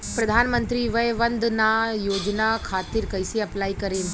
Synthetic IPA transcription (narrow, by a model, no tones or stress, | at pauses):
pɾɐd̪ʱaːnmənt̪ɾiʋəjʋɐ̃nd̪najoːd͡ʒnakʰaːt̪iɾkɐjseɐplaːikɐɾeːn